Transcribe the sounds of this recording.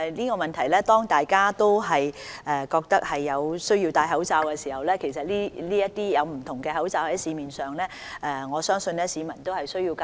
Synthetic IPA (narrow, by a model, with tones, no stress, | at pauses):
niː˥kɔː˧mɐ˨nt̪ʰɐ˨˩jlɛː˥t̪ɔː˥ŋt̪aː˨jkaː˥t̪o˥wɦɐ˨jɛ˨˧kɔː˧k̚t̪ɐ˥k̚hɐ˨jːɐ˨˧wsɵ˥ɥji˧wt̪aː˧jɦɐ˨˥wt͡saː˧wkɛː˧siː˨˩hɐ˨wlɛː˥kʰe˨˩sɐ˨t̚liː˥liː˥jɐ˥t̚t̪iː˥jɐ˨˧wm̩˨˩t̪ʰʊ˨˩ŋkɛː˧ɦɐ˨˥wt͡saː˧whɐ˨˦˥jsiː˨˧miː˨nsœː˨ŋlɛː˥ | ʔɛː˨˩ŋɔː˨˧sœː˥ŋsɵ˧nlɛː˥siː˨˧mɐ˨˩nt̪o˥hɐ˨jsɵ˥ɥji˧wka˨